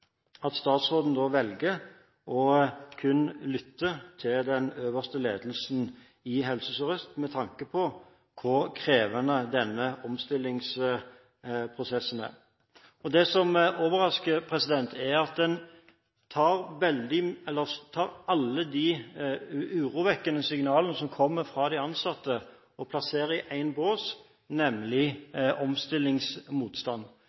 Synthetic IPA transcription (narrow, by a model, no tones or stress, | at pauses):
ɑt̪st̪ɑːt̪sʁoːd̪n̩d̪ɔʋɛlɡə | ɔkʰʉnlʏt̪ʰːət̪ʰɪld̪ɛnøːʋəst̪əleːd̪lsn | ɪɦɛlsəsɔʁst̪mɛt̪ʰɑŋkəpʰɔ | kʰʊɾkʰɾeːʋənəd̪ɛnːəɔmst̪ɪlːɪŋs | pʰɾʊsɛsn̩æ̰ɾ | ɔd̪ɛsɔmoːʋəɾɑskəɾpʰɾɛsɪd̪ɛnt̪ʰæɾɑt̪̚d̪ɛn | t̪ʰɑːɾʋɛld̪ɪɛlːəɾt̪ʰɑːɾɑlːəd̪i | ʉːɾuːʋɛkːənəsɪŋnɑːlənəsɔmkʰɔmːəɾfɾɑd̪æɪɑnsɑt̪ːə | ɔpʰlɑseːɾəɪʔæɪnboːs | nɛmlɪʔɔmst̪ɪlːɪŋsmuːt̪st̪ɑnː